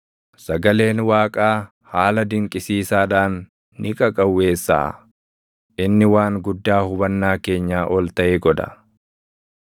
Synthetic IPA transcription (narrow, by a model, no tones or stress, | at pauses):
sɐɡɐle̞ːnwaːkʼaː | haːlɐd̪ɪŋkʼɪsiːsaːᶑaːnː | ɪkʼɐkʼɐwːe̞ːsːa̰ː | ʔɪnːɪwaːŋɡʊd̪ːaːhʊbɐnːaːke̞ːɲːaːʔɔlt̪ɐʔeːɡɔᶑɐ̰